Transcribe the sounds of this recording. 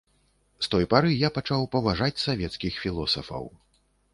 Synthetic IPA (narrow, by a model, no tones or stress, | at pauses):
st̪ɔjpaɾɨjapat͡ʂawpɐvaʐat͡sʲsavʲɛt̪skʲixfʲilˠɔsɐ̰fɐ̰w